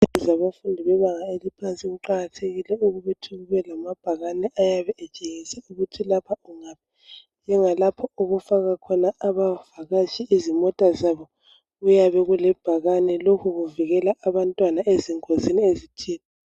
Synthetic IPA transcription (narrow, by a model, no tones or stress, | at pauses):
uzaβafundʱiβɛβaŋaelipʰant͡sʼiɣuǃaɣatʰeɣilɛuɣuβɛtʰuɣuβɛlamab̥ʱaɣanɛʔajaβɛʔɛt͡ʃʼeŋisɛuɣutʰilapʰauŋapʰi̥ | nd͡ʒɛŋalapʰɔuɣufaɣakʰɔnaːβavaɣat͡ʃʰʼiʔizimɔtʼazaβɔ | ɣujaβɛɣulɛb̥ʱaɣanɛlokʰuɣuviɣɛlaaβantʼwanaʔeziŋʼoziniezitʰiːni